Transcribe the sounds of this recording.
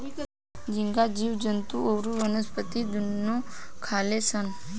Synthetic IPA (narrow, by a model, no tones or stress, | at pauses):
d͡ʒɪŋɡad͡ʒiːʋd͡ʒənt̪uowɾuʋənəspət̪id̪ʊnːõkʰaːlesən